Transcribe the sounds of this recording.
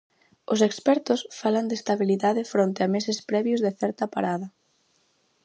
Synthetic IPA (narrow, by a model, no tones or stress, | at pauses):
ʊsekspɛɾt̪ʊsfaland̪est̪aβiliðaðɪfɾont̪eamesɪspɾɛβjʊzðɪθɛɾt̪apa̰ɾaðɐ